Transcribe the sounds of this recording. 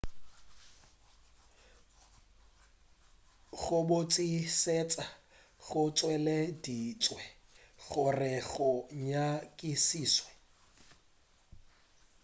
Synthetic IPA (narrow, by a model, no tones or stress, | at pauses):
ɣʊbʊt͡sʼiset͡sʼa | ɣʊt͡sʼwɛledit͡sʼwɛɣʊrɪɣʊɲakʼisiːswɛ